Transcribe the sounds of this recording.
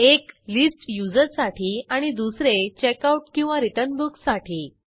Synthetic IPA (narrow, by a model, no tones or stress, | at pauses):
eklisʈjud͡zəɾsaʈʰiːaɽ̃id̪usɾet͡ɕekauʈkĩw̃ʋaɾiʈənbuksaʈʰiː